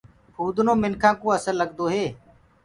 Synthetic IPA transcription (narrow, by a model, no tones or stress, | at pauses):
pʰuːd̪nõːmɪnkʰãːkõːəsəlːəɡd̪oːɦeː